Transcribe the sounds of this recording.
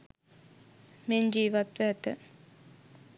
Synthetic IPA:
mend͡ʒiːʋat̪ʋæːt̪ə

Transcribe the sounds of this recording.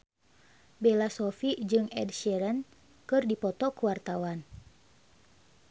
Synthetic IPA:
belasɔfid͡ʒɨŋɛ̰dʃɛɾən | kɨrdipɔt̪ɔkuwart̪awan

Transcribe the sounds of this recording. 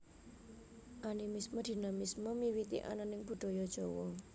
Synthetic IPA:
ʔanimisməd̪̥i̤namisməmiwit̪ḭʔa̰nanɪŋb̥ṳd̪̥ɔ̤jɔd̥ʒ̥ɔwɔ

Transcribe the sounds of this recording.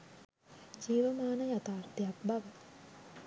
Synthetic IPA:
d͡ʒiːʋəmaːnəjat̪aːrt̪ijakbaʋə

